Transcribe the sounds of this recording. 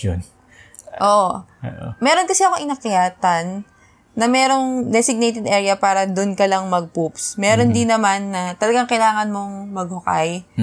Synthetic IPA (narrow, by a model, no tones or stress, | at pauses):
on | ʔoʔ | mɛːɾo̞nkɐsɛʔɐkoŋʔɪnɐkɪjaːt̪ɐnː | ɐmɛːɾo̞ŋd̪ɛsɪɡ̚nejt̪ɛd̪ʔɛːɹjɐpaːɾɐd̪onkɐlɐŋmɐɡ̚pupsmɛːɾo̞nd̪ɪnːɐmanːɐt̪ɐlɐɡaŋkɐjlaːŋɐnmo̞ŋmɐɡ̚hʊka̰j